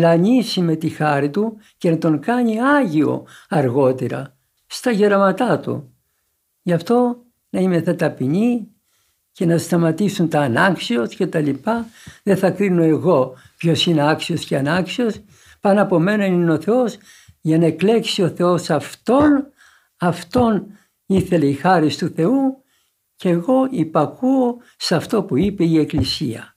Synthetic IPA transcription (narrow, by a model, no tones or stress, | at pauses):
lɐɲisime̞t̪ixɐɾit̪uce̞nɐt̪o̞ŋkɐɲiɐʝio̞̰ɐɾɣo̞t̪eɾɐ̰ | st̪ɐʝeɾɐmɐt̪ɐt̪ṵ | ʝɐft̪o̞ | nɐimeθɐt̪ɐpiɲi | ce̞nɐst̪ɐmɐt̪isunt̪ɐːnɐksio̞sce̞t̪ɐlipɐðeθɐkɾino̞e̞ɣo̞ | pço̞sine̞ɐksio̞sceɐnɐksio̞s | pɐnɐpo̞me̞nonineo̞θe̞o̞s | ʝɐnɐekle̞ksio̞θe̞o̞sɐft̪o̞n | ɐft̪o̞n | iθe̞leixɐɾist̪uθe̞u | ceɣo̞ipɐkuo | sɐft̪o̞puipe̞ie̞klisḭɐ̰